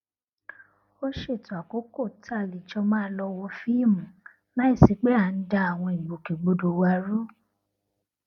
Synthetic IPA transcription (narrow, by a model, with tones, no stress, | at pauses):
o˦ʃe˦˨tu˨˦a˨ko˨˦ko˦˨tʰa˦˨li˨t͡ʃɔ˧mãː˦lɔ˧wo˧fi˦i˦˨mũ˨ | nã˦i˦˨si˨k͡pe˦a˨˧n̩˦da˧a˨w̃ɔ̃˧i˨ɡ͡bo˨ke˨ɡ͡bo˧do˨wa˧˦ɾu˦